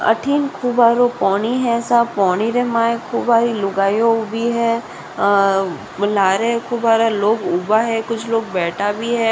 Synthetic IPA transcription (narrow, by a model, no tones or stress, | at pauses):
ɐ̰ʈʰiːnkʰuːbaːɾopɔːniɦɛ̃sapɔːñiɾemaːekʰuːbaːɾilʊɡaːjobʱiɦɛː | laːɾekʰuːbaːɾaloːɡuːbaɦɛkʊt͡ʃʰloːɡ̚bɛːʈʰabʱiɦɛː